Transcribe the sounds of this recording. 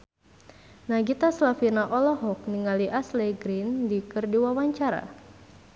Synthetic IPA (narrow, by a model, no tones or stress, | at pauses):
naɡit̪aslafinaʔɔlɔɦɔk̚niŋaliʔasleɡɾindikɨrdiwawaɲt͡ʃaɾa̰